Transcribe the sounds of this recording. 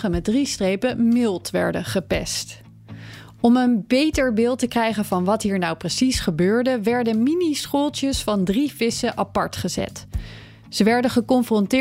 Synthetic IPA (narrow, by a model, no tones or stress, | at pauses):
χəmɛd̚ristrejpəmɪlˠtʋɛ̰ɹdəχəpɛ̰st | ɔmənbejtəɹbɪːlˠtəkrɛjχənvɑnʋɑtɦiːɹnawprəsisχəbøːɹdəʋɛɹdənminisχolˠtjəsfɑndrifɪsəʔɑpɑɹtχəzɛ̰t | z̥əʋɛɹdəχəkɔnfrɔntɪ